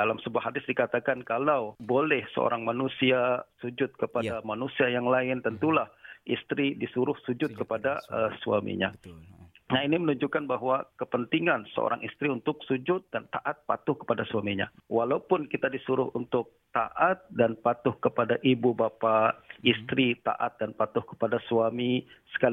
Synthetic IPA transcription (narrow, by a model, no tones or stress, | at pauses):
dalamsəbuaɦadɪsdikat̪akankalawbolɛhsə̰o̰ɾaŋmanusiasud͡ʒʊt̪̚kəpadamanusiajaŋlaɪnt̪ənt̪ulahʔist̪ɾidisuɾʊhsud͡ʒʊt̪̚kəpadaəsua̰mḭɲa̰ | nainimənuɲd͡ʒukanbaɦwakəpənt̪iŋansə̰o̰ɾaŋʔist̪ɾiunt̪ʊksud͡ʒʊt̪̚dant̪aʔat̪̚pat̪ʊhkə̥padasuamiɲa̰walaupʊnkit̪adisuɾʊhunt̪ʊk̚t̪aʔat̪̚danpat̪ʊhkəpadaʔibubapaist̪ɾit̪a̰ʔa̰t̪̚danpat̪ʊhkə̥padasuamisə̥ka